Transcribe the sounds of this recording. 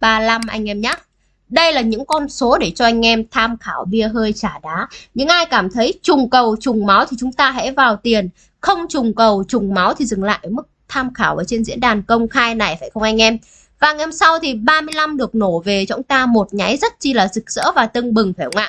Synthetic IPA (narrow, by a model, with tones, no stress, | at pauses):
ɓaː˧la˧mʔa̰˧jŋ̟ʔɛ˧mɲaː˦˥ | ɗə˧jlaː˨˩ɲɨ̰˧˥ŋkɔ˧nso˨˦ɗe˧˩t͡ɕɔ˧ʔa˧jŋ̟ʔɛ˧mt̪ʰaː˧mxaː˧˩wɓi˧əɦəː˧jt͡ɕaː˧˩ɗaː˨˦ɲɨ̰˧˥ŋʔaː˧jkaː˧˩mt̪ʰə˨˦jt͡ɕʊ˨˩ŋ͡mkə˨˩wt͡ɕʊ˨˩ŋ͡mma˨˦wt̪ʰi˨˩t͡ɕʊ˨˦ŋ͡mt̪aː˧ɦɛ̰˧˥vaː˨˩wt̪i˨˩ən | xə˧wŋ͡mt͡ɕʊ˨˩ŋ͡mkə˨˩wt͡ɕʊ˨˩ŋ͡mma˨˦wt̪ʰi˨˩zɨ˨˩ŋla̰ː˧˨jʔəː˧˩mɨ˦˥k̚t̪ʰaː˧mxaː˧˩wʔə̰ː˧˩t͡ɕe˧nzḭ˧˥ənɗaː˨˩nkə˧wŋ͡mxaː˧jna˨˩jfaː˧˩jxə˧wŋ͡mʔa˧jŋ̟ʔɛ˧m | vaː˨˦ŋʔɛ˧msa˧wt̪ʰi˨˩ɓaː˧mɨ˧əjla˧mɗɨ˨˩ək̚no˧˩ve˨˩t͡ɕa˨˦wŋ͡mt̪aː˧mo˨˩t̚ɲa˨˦jzə˦˥t̚t͡ɕi˧laː˨˩zɨ˨˩k̚z̥ə̰ː˧˥vaː˨˩t̪ɨ˧ŋɓɨ˨˩ŋfaː˧˩˧ŋa̰ː˧˨